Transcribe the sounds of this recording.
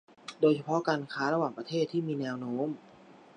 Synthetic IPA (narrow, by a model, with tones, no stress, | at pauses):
doː˧jt͡ɕʰa˧pʰɔ˦˥kaː˧nkʰaː˦˥ɾa˧waː˨˩ŋpɾa˧t̪ʰeː˥˩t̪ʰːiː˥˩miː˧nɛː˧wnoː˦˥m